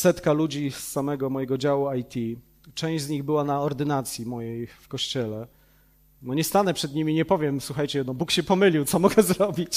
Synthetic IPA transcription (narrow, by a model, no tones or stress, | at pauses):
sɛt̪kalud͡ʑisːamɛɡɔmɔjɛɡɔd͡ʑawuajt̪ʲʰi | t͡ʂɛ̃w̃ʑd͡ʑzɲiɣbɘwanaɔɾd̪ɘnat̪sʲjimɔjejfkɔɕt͡ɕɛlɛ | nɔɲɛst̪anɛpʂɛd̪ɲimʲiɲɛpɔvʲjɛmswuxajt͡ɕɛnɔbukɕɛpɔmɘlʲiwt̪sɔmɔɡɛzɾɔbʲit͡ɕ